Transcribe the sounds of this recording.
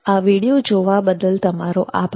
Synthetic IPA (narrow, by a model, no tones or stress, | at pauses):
aʋiɽijod͡ʒoʋabəd̪əlt̪əmaɾoʔa̰p